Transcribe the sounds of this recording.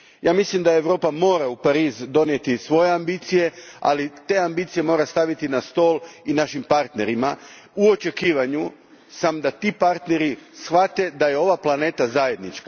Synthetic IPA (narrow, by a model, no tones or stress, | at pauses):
jaːmislimd̪ae̞ʋɾo̞ːpamo̞ːɾaupaɾiːzd̪o̞nje̞t̪isʋo̞jeambit̪sije̞a̰lit̪e̞ambit̪sije̞mo̞ːɾast̪aʋit̪inast̪o̞ːlinaʃimpaɾt̪ne̞ɾima | uo̞t͡ʃe̞kiːʋaɲu | samd̪at̪ipaɾt̪ne̞ɾisxʋat̪e̞d̪aje̞o̞ʋaplane̞ːt̪azaje̞d̪nit͡ʃka